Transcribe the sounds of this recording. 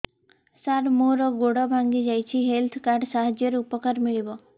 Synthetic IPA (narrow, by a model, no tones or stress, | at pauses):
saɾmuɾɔɡoɽɔbʱaŋɡid͡ʒajt͡ʃʰiɦelt̪ʰkaɾɖsaɦad͡ʒjəɾupɔkəɾmiɭibɔ